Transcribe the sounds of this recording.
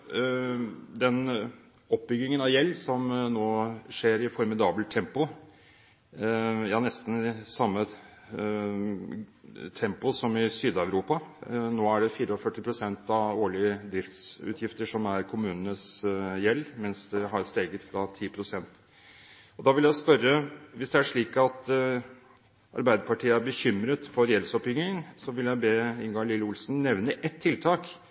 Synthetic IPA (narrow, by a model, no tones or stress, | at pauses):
d̪ɛn | ɔp̚ːbʏɡːɪŋənɑʋjɛlːsɔmnoːʂeːɾɪfɔɾmɪd̪ɑːbəlt̪ʰːɛmpʊ | jɑːnɛst̪n̩sɑmːə | t̪ʰɛmpʊsɔmɪsyːd̪ɑʉɾuːpɑnoːæɖɛfiːɾəɔfœʈːɪpʰɾʊsɛnt̪ɑʋoːɭɪəd̪ɾɪft̪sʉ̰ːt̪ʰjɪft̪əʂɔmæɾkʰʊmʉːnənəsjɛlːmɛnsd̪ɛɦɑɾst̪eːɡət̪fɾɑt̪ʰiːpʰɾʊsɛnt̪ | ɔd̪ɑʋɪljæɪspœɾːəʋɪsd̪ɛæʂɭiːkɑt̪ | ʔɑ̰ɾbæɪd̪əɾpɑʈʰiːəæɾbəçʏmɾət̪fɔɾjɛlsɔpjʏŋɪŋŋsɔʋɪljæɪbeːɪnɡoːlɪlːəʊlsnnɛʋnəʔɛt̪ʰːɪlt̪ʰɑːk